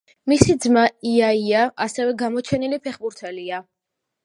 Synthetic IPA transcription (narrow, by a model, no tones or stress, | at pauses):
misid̪zmaiaiaʔasɛvɛɡamɔt͡ʃʰɛnilipʰɛχbuɾt̪ʰɛlia